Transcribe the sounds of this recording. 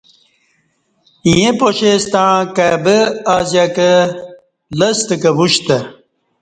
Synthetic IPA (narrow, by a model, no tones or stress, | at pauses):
ĩjẽpoɕest̪aãkaːbəazjakə | ləst̪əkəbuɕt̪ə